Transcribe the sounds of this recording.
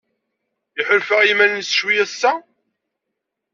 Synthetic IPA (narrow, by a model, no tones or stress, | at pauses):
iħəlfəʁimænnsʃwijæsːæ